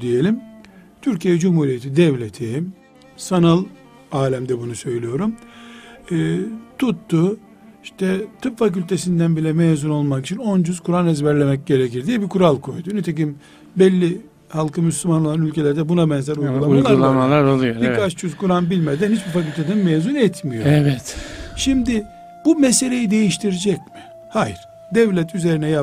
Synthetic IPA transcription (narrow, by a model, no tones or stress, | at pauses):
d̪ije̞lʲimt̪ʰyɾcijɛd͡ʒumhuːɾijet̪ʰid̪ɛvlʲe̞t̪ʰi | sanalˠ | aːlʲæmd̪ɛbunusø̞jlʲijo̞ɾumː | t̪ʰut̪ːʊ | iʃt̪ʰɛt̪ʰɯpfac̬ylʲt̪ʰe̞sind̪ænbilʲɛmeːzuno̞lˠmakit͡ʃʰino̞nd͡ʒyz̥kʰuɾanɛzbæɾlʲe̞mɛc̚ɟe̞ɾeciɾd̪ijɛbikʰuɾalˠkʰo̞jd̪unet̪ʰec̬im | bɛlʲːi | halˠkʰɯmyslʲymano̞lˠanylʲcʰe̞lʲɛɾd̪ɛbunabɛnzɛɾujˠɡɡulˠaujalˠaulˠamalˠaɾolˠujobikʰat͡ʃt͡ʃyzkuɾanbilʲmed̪ænhit͡ʃbifacylʲt̪ʰed̪ænmeːzunɛt̪mijoɛvɛt̪ʃimd̪ɪ | b̥umese̞lʲe̞jid̪e̞jiʃt̪ʰiɾid͡ʒɛcmɪ | hajiɾ̥ | d̪ɛvlʲɛt̪ʰyze̞ɾinɛja